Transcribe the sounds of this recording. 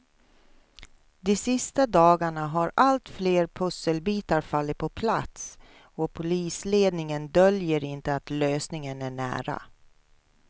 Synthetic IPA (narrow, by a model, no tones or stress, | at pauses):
d̪ɪsɪst̪ad̪ɑːɡaɳaɦaɾalt̪fleːɾpʰɵsːəlbiːt̪aɾfalːɪt̪̚pʰɔpʰlat̪s | ɔpʰʊliːsleːd̪nɪŋənd̪œljəɾɪnt̪əat̪løːsnɪŋənæɳæ̰ːɾa̰